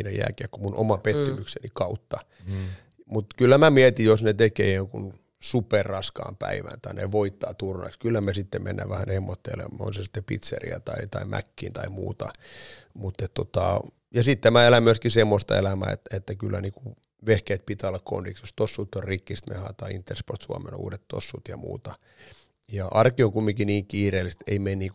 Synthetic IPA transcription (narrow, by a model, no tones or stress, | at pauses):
inæjæ̰ːkeækkumunʔo̰mɑpet̪ːymyksenikɑut̪ːɑ | mut̪kylːæmæmiɛt̪ijosnet̪ekḛːoŋkun | superrɑskɑ̰ːmpæ̰iʋæ̰nt̪ɑinḛʋoit̪ːɑːt̪urnɑ̰ikskylːæmesit̪ːemmḛnːæ̰ʋæhænhemːot̪ːḛːlḛmːɑo̰nsesi̥t̪ːepḭt̪sḛrḭæt̪ɑit̪ɑimʔæ̰kːiːnt̪ɑimṵːt̪ɑ̰mut̪ːet̪t̪ot̪ɑ | jɑsit̪ːemæelæmyøskisemːost̪ɑḛlæmæ̰ːḛt̪ːet̪ːækylːæniːku | ʋehkeːt̪̚pit̪æolːɑkko̰ndiksjost̪osːut̪ːorrikːist̪mḛhɑt̪ɑiint̪ːersport̪suɑmḛnṵːdet̪t̪ːo̰sːut̪jɑmṵːt̪ɑ | jɑʔɑrkioŋkumːikiniːŋkiːreːlːist̪eimenniːk